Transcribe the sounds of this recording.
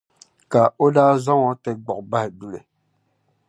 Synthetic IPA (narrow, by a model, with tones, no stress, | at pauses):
ka˨o˦daː˦zɔ˦ŋɔ˨tɛ˦ɡ͡bɔ˨k̚ba˦he˨du˦le˨